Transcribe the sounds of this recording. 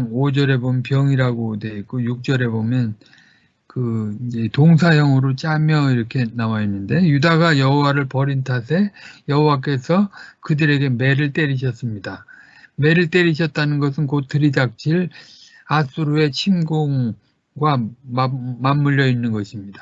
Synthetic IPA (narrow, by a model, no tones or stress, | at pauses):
od͡ʑʌɾe̞bomnpjʌŋiɾaɡodwe̞ik͈ojuk̚t͡ɕ͈ʌɾe̞bomjʌn | kɯid͡ʑe̞toŋs̬ʰajʌŋɯɾot͡ɕ͈amjʌiɾʌkʰe̞nawainːɯnde̞judaɡajʌɦowaɾɯɭpʌɾintʰasʰe̞jʌɦowak͈e̞sʰʌkɯdɯɾe̞ɡe̞me̞ɾɯɭt͈e̞ɾiɕ̬ʰʌs͈ɯmɲida | me̞ɾɯɭt͈e̞ɾiɕʰʌt̚t͈anɯnɡʌs̬ʰɯnkotʰɯɾidak̚t͡ɕ͈ʰiɭ | as͈uɾue̞t͡ɕʰimɡoŋ | ɡwa | mamːuʎːjʌinːɯnɡʌɕʰimɲidḁ